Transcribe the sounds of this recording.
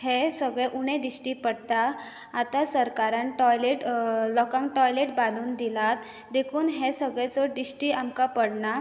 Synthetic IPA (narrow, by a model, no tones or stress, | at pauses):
ɦesəɡɭeʔuɽ̃ẽd̪iɕʈiːpəɽt̪aː | t̪asəɾkaɾãnʈɔjleʈlɔkãŋkʈɔjleʈbaluːnd̪ilat̪ | d̪ekʰuːnɦesəɡɭɛt͡sɔd̪iɕʈiːamkapəɽɳa